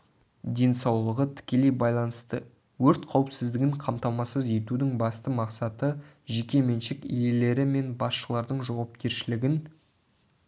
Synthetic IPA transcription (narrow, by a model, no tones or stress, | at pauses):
d̪e̞nsɑwlˠəʁət̪ʰɪ̥kʲe̞le̞jbɑjlˠɑnəst̪ə | wɵɾt̪qʰɑwəpsɪzd̪ɪɡʲɪɴqʰɑmt̪ɑmɑsəze̞t̪ud̪ɪŋbɑst̪əmɑqsɑt̪əʒekʲe̞me̞nʃɪkije̞le̞ɾɪme̞nbɑsʃəlˠɑɾd̪əɴʒɑwɑp̚kʲʰe̞ɾʃɪlɪɡʲɪn